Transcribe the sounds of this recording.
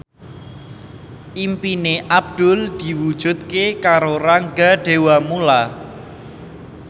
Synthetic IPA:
ʔimpineʔab̚d̪̥ʊ̤ld̪̥i̤wud̥ʒ̥ṳt̪̚kekaɾoraŋɡaɖ̥e̤wamula

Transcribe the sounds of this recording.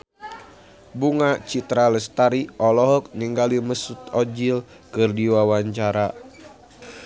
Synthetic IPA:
buŋat͡ʃit̪ɾaləst̪aɾiʔɔlɔɦɔk̚niŋɡaliməsut̪ɔd͡ʒil | kɨrdiwawaɲt͡ʃaɾa

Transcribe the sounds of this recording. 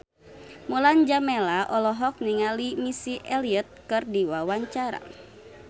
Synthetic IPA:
muland͡ʒamɛlaʔɔlɔɦɔk̚niŋalimisiʔɛliət̪̚kɨrdiwawaɲt͡ʃaɾa̰

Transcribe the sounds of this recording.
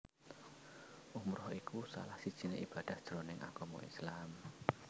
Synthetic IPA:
ʔumɾɔhikusa̰lahsid̥ʒ̥i̤neʔib̥a̤d̥a̤hd̪̥ɾonɪŋʔa̰ɡ̥ɔmɔ̰ḭslam

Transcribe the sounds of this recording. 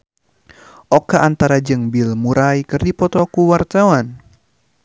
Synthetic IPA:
ʔɔkaʔant̪aɾad͡ʒɨŋbilmuɾajkɨrdipɔt̪ɔkuwart̪awan

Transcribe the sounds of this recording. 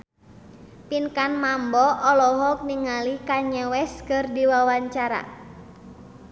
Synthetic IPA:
pinkanmambɔʔɔlɔɦɔk̚niŋalikaɲəwɛskɨrdiwawaɲt͡ʃaɾa̰

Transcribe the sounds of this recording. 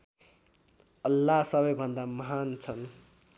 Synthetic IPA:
ʌlːaɦsʌβʌjbʱʌnd̪amʌɦant͡sʰʌn

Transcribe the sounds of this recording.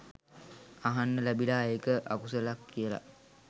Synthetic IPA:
aɦanːəlæbilaːekəʔakusəlakːijəla̰

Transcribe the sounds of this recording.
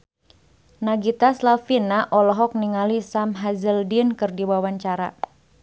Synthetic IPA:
naɡit̪aslafinaʔɔlɔɦɔk̚niŋalisamɦazəldinkɨrdiwawaɲt͡ʃaɾa̰

